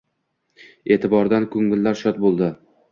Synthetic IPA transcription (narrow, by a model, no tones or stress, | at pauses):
e̞ːt̪ʰɪbɒɾd̪ankʰɵŋːɪlːaɾʃɒt̪̚bolˠd̪ɪ